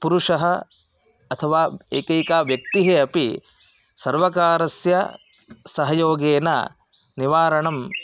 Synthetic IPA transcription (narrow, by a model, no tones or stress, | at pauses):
puɾuʂɐɦɐ | ɐt̪ʰɐʋaːeːkɐjkaːʋjɐk̚t̪iɦeɐpi | sɐɾʋɐkaːɾɐsjɐ | sɐɦɐjoːɡeːnɐ̰ | niʋaːɾɐɳɐm